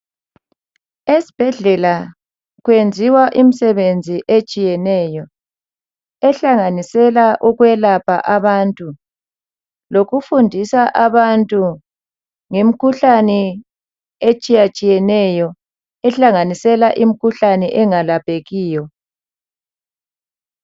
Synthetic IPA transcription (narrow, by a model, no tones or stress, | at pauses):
esi̥b̥ʱɛɮɛla | ɣwend͡zʱiwaʔim̩sɛβend͡zʱiʔet͡ʃʼijɛnɛjɔ | ɛɬaŋanisɛlaʔuɣwɛlapʰʼa̰ʔaβantʼu | loɣufundʱisaʔaβantʼu | ŋem̩kʰuɬanɛ | et͡ʃʼijat͡ʃʼijɛnɛjɔ | ɛɬaŋanisɛlaʔim̩kʰuɬanɛʔɛŋalapʼeɣiːjɔ